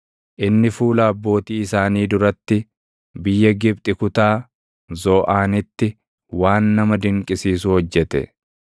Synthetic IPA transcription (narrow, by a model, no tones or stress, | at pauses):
ʔɪnːɪfuːlaːbːo̞ːt̪iːɪsaːniːd̪ʊɾɐt̪ːɪ | bɪjːɐɡɪb̚t̪ʼɪkʊt̪aː | zɔːʔaːnɪt̪ːɪ | waːnːɐmɐd̪ɪŋkʼɪsiːsʊhɔd͡ʒːɛt̪ɛ̰